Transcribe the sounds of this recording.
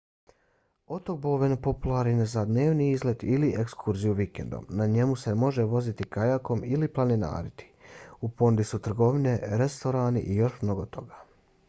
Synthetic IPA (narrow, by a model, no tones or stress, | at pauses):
o̞t̪o̞k̚boʋenpo̞pulˠaɾninezad̪ne̞ːʋniizled̪iliʔekskʰuɾzijuʋikḛnd̪o̰mnaɲe̞muse̞mo̞ʒe̞ʋo̞zit̪ikajako̞miliplˠanina̰ːɾit̪ʰi̥upo̞nud̪isut̪r̩ɡo̞ʋine̞ɾest̪o̞ɾaːnḭʔijo̞ʃmno̞ɡo̞t̪o̞ɡa